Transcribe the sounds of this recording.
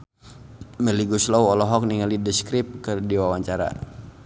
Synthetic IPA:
mɛliɡuslawɔlɔɦɔk̚niŋalidəskɾip̚kərdiwawaɲt͡ʃaɾa̰

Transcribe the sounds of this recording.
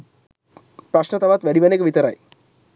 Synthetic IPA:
pɾɐʃnɐt̪ɐʋaːt̪ʋeɽiʋɐnekːɨʋit̪ɐɾa̰ːj

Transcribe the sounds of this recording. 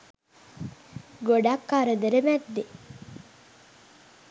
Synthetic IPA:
ɡoɖakːaɾəd̪əɾəmæd̪ːe

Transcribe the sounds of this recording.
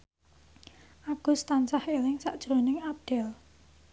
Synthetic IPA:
ʔaɡ̥ṳst̪ant͡ʃahelɪŋsaʔd̥ʒ̥ɾonɪŋap̚ɖ̪̥ɛl

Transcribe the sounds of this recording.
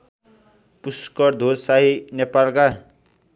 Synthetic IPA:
puskʌɾd̪ʱosaɦinepalɡa

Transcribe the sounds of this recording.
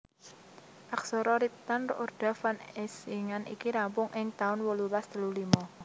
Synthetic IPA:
ʔaksɔɾɔɾit̪anrʔurɖ̪̥a̤fanɛsiŋanḭkiɾampʊŋʔɪŋt̪aʊnwɔlulast̪əlulimɔ

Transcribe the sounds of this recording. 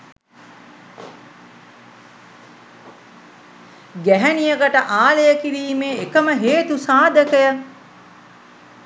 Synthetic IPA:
ɡæɦænijəɡəʈəʔaːlejəkiɾiːmeːekəməɦeːt̪usaːd̪əkəjə

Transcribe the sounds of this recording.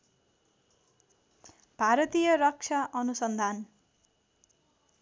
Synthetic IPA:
b̥ʱaɾʌt̪ijʌɾʌk̚t͡ʃʰaʔʌnusʌnd̪ʱan

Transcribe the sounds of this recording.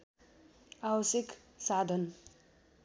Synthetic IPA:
awʌsjek | sad̪ʱʌn

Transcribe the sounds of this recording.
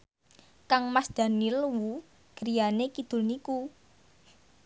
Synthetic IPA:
kaŋmasd̪̥a̤nilwu | ɡ̥əɾijanekid̪̥ʊ̤lniku

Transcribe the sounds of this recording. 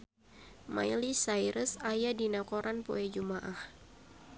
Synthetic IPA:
ma̰jlisajɾəsajadinakoɾanpo̰ɛd͡ʒumaʔah

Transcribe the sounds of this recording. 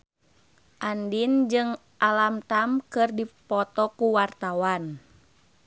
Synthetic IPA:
ʔandind͡ʒɨŋ | ʔalamt̪amkɨrdipɔt̪ɔkuwart̪awan

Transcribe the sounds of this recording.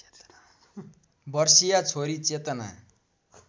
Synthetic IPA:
bʌrsijat͡sʰoɾit͡set̪ʌna̰

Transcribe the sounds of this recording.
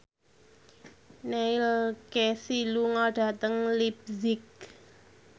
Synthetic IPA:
neɪlkesiluŋɔɖ̥a̤t̪əŋlip̚zɪk̚

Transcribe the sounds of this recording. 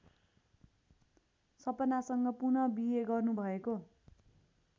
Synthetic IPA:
sʌpʌnasʌŋɡʌpunʌbiɦeɡʌrnubʱʌeko

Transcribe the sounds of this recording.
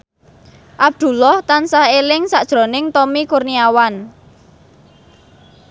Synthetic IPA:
ʔab̚d̪̥ṳlɔht̪ansahelɪŋsaʔd̥ʒ̥ɾo̤nɪŋt̪ɔmikurniawan

